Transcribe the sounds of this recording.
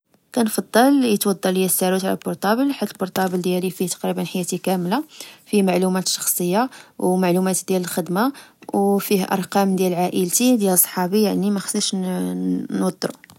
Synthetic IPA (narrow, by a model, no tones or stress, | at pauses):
kænfɑd̪ˤːɑljət̪wɑd̪ˤːɑljæsːæɾut̪ʕalæ̰lbʊɾt̪ˤɑbəlħat̪ːəlbʊɾt̪ˤɑbəld̪jælifiht̪ɑ̥qɾibənħajːæt̪ikæmlafimaʕlumæt̪ʃɑ̥xsˤəjːawmaʕlumæt̪d̪jæləlxəd̪mawfihʔɑ̰ɾˤqɑmd̪jælʕaʔəlt̪id̪jælsˤħɑbijaʕnimæxə̥səʃ | nwɑd̪ˤːɾu